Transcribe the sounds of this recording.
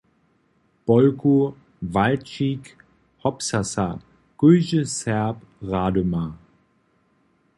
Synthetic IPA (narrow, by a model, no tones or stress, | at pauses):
b̥ɔlkʰu | valt͡ʃik | hɔpsasa | ɡ̥øːzəsɛɐp | ʁaːdoma